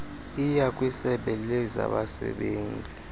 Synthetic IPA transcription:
ijakʼwisɛɓɛlɛza̰ɓasɛ̰ɓeːnd͡zʱi

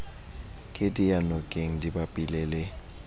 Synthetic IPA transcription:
kʼɪdijanɔkʼeŋ̩dibapʼɪlelɪ

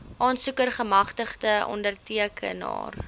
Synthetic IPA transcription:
ʔɑːnsukərχəmɐχtəχdəɔ̰ndərtiəkʰə̰nɑ̰ːr

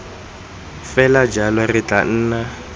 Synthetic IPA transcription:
fɛlad͡ʒalɔrɪt͡ɬʼan̩ːna

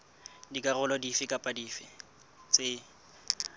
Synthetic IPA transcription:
dikʼarʊlɔdifɪkʼapʼadiːfɪ | t͡sʼe

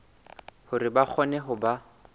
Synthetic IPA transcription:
hʊrɪbak͡xʰɔnɛɦʊba

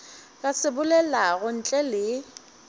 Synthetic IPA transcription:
kʼasɪbʊlɛlaɣʊn̩t͡ɬʼɛlɪ

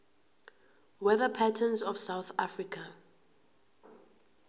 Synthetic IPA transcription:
wɛðəpʰatʰənzɔvsawθafɹikʰa

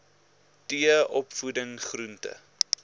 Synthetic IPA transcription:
tiəʔɔpfudəŋχruntə̰

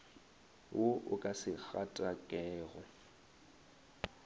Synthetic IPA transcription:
wʔoʊkʼasɪk͡xatʼakʼɛːɣɔ

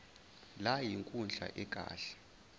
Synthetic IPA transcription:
lajiŋkʼund͡ɮʱa̰ʔɛkʼa̰ːɬɛ̥

